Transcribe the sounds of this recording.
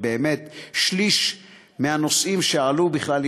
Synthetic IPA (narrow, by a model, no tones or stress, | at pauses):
beːmet̪ʃliʃ | meano̞sʔimʃealubiχlal